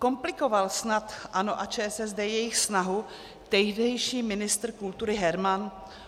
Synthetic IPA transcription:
ko̞mplɪko̞valsnat̪ʔanoʔat͡ʃɛːɛsɛzdɛːjɛjɪxsnaɦu | t̪ɛɦdɛjʃiːmɪnɪst̪r̩kult̪uɾɪɦɛɾman

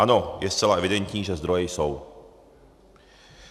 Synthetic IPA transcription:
anojɛst̪t͡sɛlaʔɛvɪdɛnt̪ɲiːʒɛzd̪ɾojɛjsow

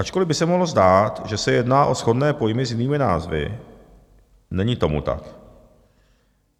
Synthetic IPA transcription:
ʔat͡ʃkolɪbɪsɛmoɦlozdaːt̪ʒɛsɛjɛdnaːʔo̞sxo̞dnɛːpo̞jmɪzjɪniːmɪnaːzvɪ̰ | nɛɲɪt̪o̞mṵt̪a̰k

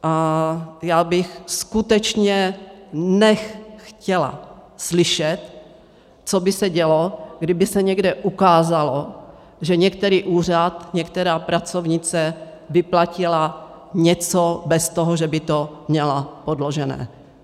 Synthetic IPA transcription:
ʔajaːbɪxskut̪ɛt͡ʃɲɛ | nɛxxcɛla̰slɪʃɛt̪ | t͡sobɪsɛɟɛloɡdɪbɪsɛɲɛɡdɛʔukaːzalo | ʒɛɲɛk̚t̪ɛɾiːʔuːr̝at̪ɲɛkt̪ɛɾaːpɾat͡sovɲɪt͡sɛ | vɪplacɪla | ɲɛt͡sobɛst̪oɦoʒɛbɪt̪omɲɛlapodloʒɛnɛ̰ː

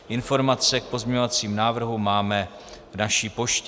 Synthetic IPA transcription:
ʔɪnfo̞ɾmat͡sɛk̚po̞zmɲɲo̞vat͡siːmnaːvr̩ɦumaːmɛ | vnaʃiːpo̞ʃc

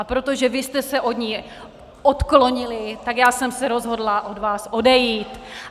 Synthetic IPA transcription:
ʔapɾot̪o̞ʒɛvɪst̪ɛsɛʔodɲiː | ʔot̪klo̞ɲɪlɪt̪akjaːsɛmsɛɾo̞zɦo̞dlaʔo̞dvaːsʔo̞dɛjiːt̪

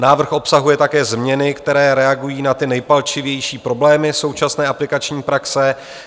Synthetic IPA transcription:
naːvr̩xʔo̞psaɦujɛt̪akɛːzmɲɛnɪkt̪ɛɾɛːɾɛaɡujiːnat̪ɪnɛjpalt͡ʃɪvjɛjʃiːpɾo̞blɛːmɪso̞wt͡ʃasnɛːʔaplɪkat͡ʃɲiːpɾaksɛ

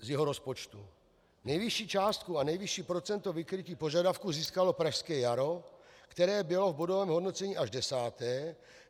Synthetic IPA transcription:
zjɛɦoɾo̞spot͡ʃt̪u | nɛjvɪʃiːt͡ʃaːst̪̚kuanɛjvɪʃiːpɾo̞t͡sɛnt̪o̞vɪkɾɪciːpo̞ʒadafkuziːskalo̞pɾaʃskɛːjaɾo̞kt̪ɛɾɛːbɪlo̞vbodovɛːmɦodno̞t͡sɛɲiːʔaʒdɛsaːt̪ɛː

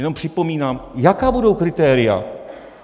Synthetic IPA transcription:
ɛno̞mpr̥ɪpo̞miːnaːmjakaːbudo̞wkɾɪt̪ɛːɾɪa̰

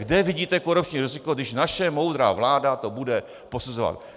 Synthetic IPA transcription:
ɡdɛvɪɟiːt̪ɛkoɾupt͡ʃɲiːɾɪzɪko̞ɡdɪʃnaʃɛmo̞wd̪ɾa̰ːvlaːdat̪obudɛ | po̞suzova̰t̪̚

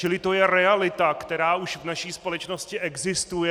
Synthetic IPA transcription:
t͡ʃɪlɪt̪o̞jɛɾɛalɪt̪akt̪ɛɾaːuʃvnaʃiːspo̞lɛt͡ʃno̞scɪʔɛɡzɪst̪ujɛ

